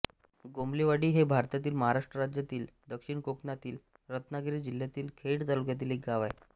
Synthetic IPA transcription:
ɡomleʋaɽiːɦebʱaɾt̪jat̪̬iːlməɦaɾaʂʈɾəɾad͡ʑjat̪iːld̪əkʂiɳkoknat̪iːl | ɾət̪naɡɾid͡ʑil̤jat̪iːlkʰeɽt̪aluk̬jat̪̬iːlek̚ɡaʋaj

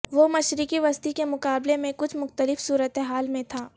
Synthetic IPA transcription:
ʋomɐʃɾɪkiʋɐst̪ikemʊkaːblemẽkʊt͡ʃʰmʊxt̪əlɪfsuːɾət̪eɦaːlmẽt̪ʰaː

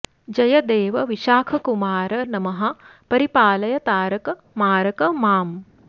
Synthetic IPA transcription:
d͡ʒɐjɐd̪eːʋɐʋiʃaːkʰɐkumaːɾɐnɐmɐɦɐ̆pɐɾipaːlɐjɐt̪aːɾɐkɐ | maːɾɐkɐmaːm

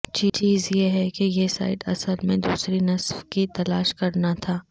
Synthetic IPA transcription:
t͡ʃit͡ʃiːzjeɦɛkejesa̰ːɪʈɐsəlmẽd̪uːsɾinɐswkit̪ɐlaːʃkɐɾnat̪ʰaː

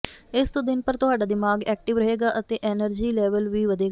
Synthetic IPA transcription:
ɪst̪õːd̪ɪnpəɾt̪ʊɦaːɖaːd̪ɪmaːɡɛːk̚ʈɪʋɾəɦeːɡaːʔət̪eːʔɛːnəɾd͡ʒiːlɛːʋəlʋiːʋəd̪eːɡaː

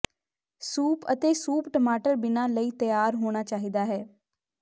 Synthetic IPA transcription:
suːpət̪eːsuːpʈəmaːʈəɾbɪnãːləiːt̪əjaːɾɦoːɽ̃aːt͡ʃaːɦiːd̪aːɦɛː

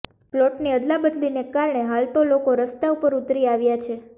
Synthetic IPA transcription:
ploʈniəd̪labəd̪linekaɾɳeɦalt̪olokoɾəst̪aupəɾut̪ɾiaʋjat͡ʃʰe

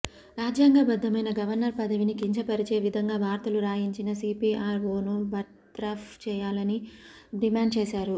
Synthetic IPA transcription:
ɾaːd͡ʒjaːŋɡaːbɐd̪ːɐmɐjnɐɡɐʋɐɾnɐɾpɐd̪ɐʋinikiɲt͡ʃɐpɐɾit͡ʃe̞ːʋid̪ʱɐŋɡaːbʱaːɾt̪ɐluɾaːjiɲt͡ʃinɐsiːpiːaːɾʋoːnubɐ | t̪ɾaːft͡ʃɛːjaːlɐniɖimaːɳɖ̚t͡ʃeːsaːɾu

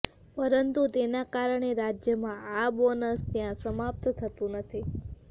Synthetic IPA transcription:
pəɾənt̪ut̪enakaɾəɳeɾad͡ʒjəmãabonəst̪jãsəmap̚t̪t̪ʰət̪ũnət̪ʰi

